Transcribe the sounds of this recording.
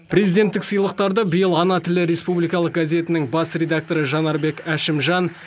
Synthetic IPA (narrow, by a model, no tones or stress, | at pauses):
prʲe̞zijd̪ʲe̞nt̪ːɪksəjlˠəq̚t̪ɑɾd̪əbəjəlˠɑnɑt̪ʰɪlɪɾe̞spublijkɑlˠəq̚ɡazʲe̞t̪ɪnɪŋbɑsɾʲe̞d̪ak̚t̪o̞ɾəʒɑnɑɾbe̞kæʃɪmʒɑn